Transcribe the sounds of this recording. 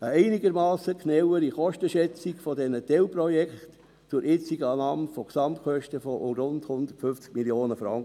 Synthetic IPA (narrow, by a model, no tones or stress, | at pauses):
əɛɪnɪɡəɾmɑːsəknɛwəɾiχɔʃtəʃɛt͡sikfɔdɛnətɛlprɔjɛkt | t͡sʊɾʔɪt͡siɡɑːnɑːmfɔksɑmtkχœʃtəfɔɾʊndhʊnd̪ətfʏft͡skmiljoːnəfɾɑŋkə